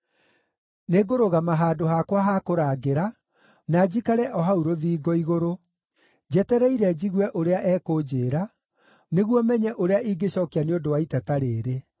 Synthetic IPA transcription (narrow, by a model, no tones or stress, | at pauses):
neɡoɾoɣamaɦaːdoɦakwaɦakoɾaːɡeɾa | nad͡ʑikaɾɛʔɔɦauɾoðiːɡɔiɣoɾo | d͡ʑɛtɛɾɛiɾɛd͡ʑiɣwɛʔoɾeaʔɛːkoːd͡ʑeːɾa | neɣwɔmɛɲɛʔoɾeaʔiɡeɕɔkianeodowaitɛtaɾeːɾe